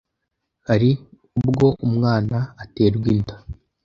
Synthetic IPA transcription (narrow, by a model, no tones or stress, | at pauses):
haɾi | ubɡo̞ʔumŋaːnaːte̞ːɾɡwintḁ